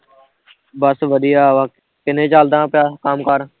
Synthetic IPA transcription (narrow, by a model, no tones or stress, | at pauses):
bəsʋəɗ̪iːaːʋãː | kɪnẽːt͡ʃaːld̪ãːpɪjaːkaːmkaːɾ